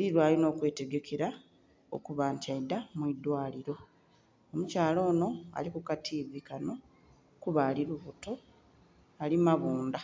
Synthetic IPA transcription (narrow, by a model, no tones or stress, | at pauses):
eliɾwaːlino̞ːkwe̞ːte̞ɡe̞kʰe̞ɾa | o̰kuβaːntaidamwid̪waːliɾo̞ | omucaːlo̞ːno̞a̰likukatʰiːβikano̞ | kuβaliɾuβuto̞ | alimaβuːnda